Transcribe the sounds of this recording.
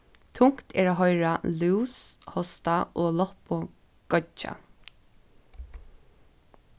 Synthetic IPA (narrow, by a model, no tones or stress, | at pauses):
t̪ʰʊŋ̥kt̪ʰɛ̰ːɹaːɦɔjɹaluwshɔst̪aʔoːlɔhpʊ | ɡ̥ɔt͡ʃːa̰